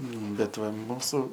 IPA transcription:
ˈnʊ bʲɛt ˈʋɐ ˈmuːsʊ

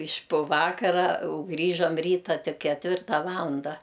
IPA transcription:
ɪʃʲ pʊ ˈʋɑːkɐrɐ ʊ ˈɡrʲiːʒɐm ˈrʲiːtɐ ˈtʲɪk kʲɛtʲˈʋʲɪrtɐ ˈʋɑːlˠɐndɐ

